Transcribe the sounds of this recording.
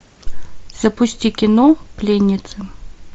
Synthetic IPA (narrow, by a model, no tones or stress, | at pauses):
z̥ɐpʊsʲtʲikʲɪnɔplʲenʲːɪt̪sɨ